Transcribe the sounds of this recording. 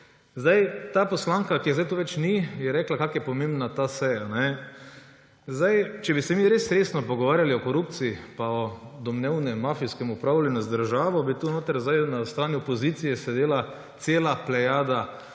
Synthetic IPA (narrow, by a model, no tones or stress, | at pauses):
zd̪ajt̪aːpɔslaːŋkakiɛzajt̪uːʋɛt͡ʃnijɛɾɛːklakaːkjɛpɔmẽmbnat̪aːsɛjanɛ | zd̪ajt͡ʃɛbisɛmiɾeːsɾeːsnɔpɔɡɔʋaːɾjaliɔkɔɾupt̪siipaɔd̪ɔmnɛwnɛmːaːfiskɛmʊpɾaʊlʲɛnɔszd̪əɾʒaːʋɔbit̪unoːt̪əɾzd̪ajnast̪ɾaːniɔpɔzit̪sijɛsɛd̪eːla | t̪seːlaplɛjaːd̪a